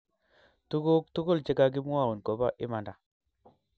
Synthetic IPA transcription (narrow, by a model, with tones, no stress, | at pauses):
tu˦ɡo˦k̚tu˦ɡo˦lt͡ʃe˦ka˦ɡi˦mu˦a˦˨u˨nko˨ba˦ʔɪ˦ma˨nda˨